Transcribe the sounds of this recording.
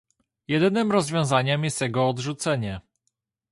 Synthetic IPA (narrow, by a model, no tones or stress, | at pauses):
jɛd̪ɘnɘmɾɔzvʲjɔ̃w̃zaɲɛmjɛst̪jɛɡɔːd̪ʐut̪sɛɲɛ